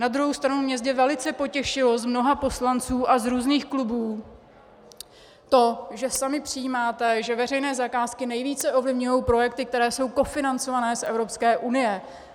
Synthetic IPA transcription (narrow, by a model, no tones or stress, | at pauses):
nad̪ɾuɦowst̪ɾanumɲɛzɟɛvɛlɪt͡sɛpo̞cɛʃɪlozmno̞ɦapo̞slant͡suːʔazɾuːzniːxklubuː | t̪o̞ʒɛsamɪpr̥ɪjiːmaːt̪ɛʒɛvɛr̝ɛjnɛːzakaːskɪnɛjviːt͡sɛʔo̞vlɪvɲujowpɾo̞jɛk̚t̪ɪk̚t̪ɛɾɛːso̞wko̞fɪnant͡sovanɛːsʔɛ̰vɾo̞pskɛːʔunɪjɛ